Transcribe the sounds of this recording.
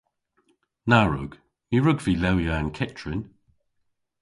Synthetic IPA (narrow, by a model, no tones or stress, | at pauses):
naɹʊ̰ɡ̥ | jiɹʊɡvilɛwjaːnkʰɛtʰɹɪn